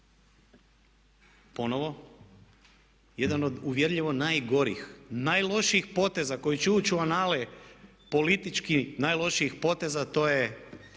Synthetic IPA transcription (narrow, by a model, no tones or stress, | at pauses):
po̞no̞ʋo̞ | je̞d̪ano̞d̪uʋjeɾʎiʋo̞naːjɡo̞ɾḭxnajlˠo̞ʃiixpo̞t̪e̞zako̞jit͡ɕeut͡ɕuanaːle | po̞lit̪it͡ʃkinajlˠo̞ʃiixpo̞t̪e̞zat̪o̞je